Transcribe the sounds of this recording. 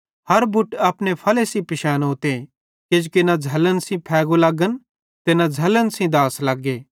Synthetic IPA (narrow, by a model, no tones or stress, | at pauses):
hɐɾbʊʈɐpnepʰɐlesĩpɪʃaːnoːt̪e | ked͡ʒukenad͡zʱɐlənsĩpʰɛːɡolɐɡən | t̪enad͡zʱɐlənsĩd̪aːslɐɡeː